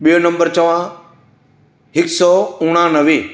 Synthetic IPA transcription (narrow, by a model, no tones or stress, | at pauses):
ɓijonɐ̃mbəɾt͡ɕɐʋã | ɦɪksɔːʊːɽ̃ãnɐʋiː